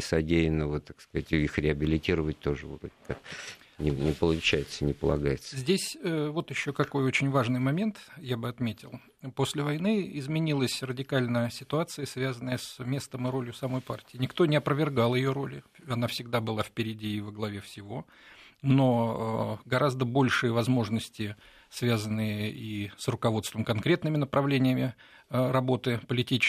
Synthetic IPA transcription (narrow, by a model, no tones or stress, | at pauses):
sɐdʲejɪnːəvət̪akskɐzatʲixɾʲɪɐbʲɪlʲɪtʲiɾəvət̚ʲt̪oʐɨvot̪okak | nʲɪnʲɪpəlˠʊt͡ɕæjɪt̪sənʲɪpəlˠɐ̰ɡajɪt̪səzʲdʲesʲəvo̞t̪jɪɕːo̞kɐko̞jo̞t͡ɕɪnʲvaʐnɨjmɐmʲe̞nt̪jabɨɐt̪mʲetʲɪlˠ | po̞sʲlʲɪvɐjnɨɪzmʲɪnʲilˠəsʲrədʲɪkalʲnəjəsʲɪt̪ʊat̪sɨjəsvʲazənːəjəsmʲe̞st̪əmɨɾo̞lʲjʊsɐmo̞jpa̰rtʲɪːnʲɪkt̪o̞nʲɪɐpɾəvʲɪrɡalˠjɪjo̞ɾo̞lʲɪɐnafsʲɪɡ̚d̪abɨlˠafpʲɪɾʲɪdʲiːvəɡlˠɐvʲefsʲɪvo̞ | no̞ | ɡɐɾʔazd̪əbo̞lʲʂɨjəvɐzmo̞ʐnəsʲtʲɪ | svʲazənːɨjəisrʊkɐvo̞t̪st̪vəmkɐnkɾʲet̪nɨmʲɪnəpɾʔɐvlʲenʲɪjəmʲɪ | ɾɐbo̞t̪ɨpəlʲɪtʲit͡ɕɪ